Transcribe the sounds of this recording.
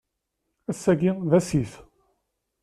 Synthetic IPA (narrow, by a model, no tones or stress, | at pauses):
æsːæɡiðæsiθ